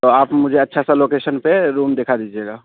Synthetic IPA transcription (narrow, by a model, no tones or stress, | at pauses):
t̪oaːpmʊd͡ʒʱeɐtːʃʰasaloːkesənpeɾuːmd̪eːkʰad̪id͡ʒieɡa